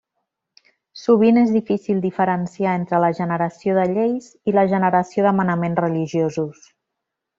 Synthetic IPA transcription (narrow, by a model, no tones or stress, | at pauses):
suβ̞inezðifisilˠd̪ifəɾənsiaent̪ɾələʒənəɾəsioðəʎejz | iləʒənəɾəsioðəmənəmenzrəliʒiozus